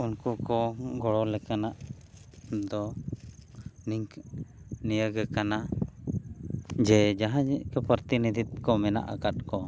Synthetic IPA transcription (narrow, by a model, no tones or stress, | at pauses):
unkukɔɡɔɽɔlɛkanaʔ | d̪ɔ | niŋk | nijəɡɛkana | d͡ʒɛd͡ʒaɦãkɛpəɾt̪inid̪it̪̚kɔmɛna̰ʔa̰kat̪̚kɔ